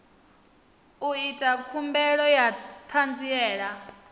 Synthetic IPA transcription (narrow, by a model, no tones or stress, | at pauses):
uitʼakʰumbɛɺɔjat̪ʰand͡ziɛːɺa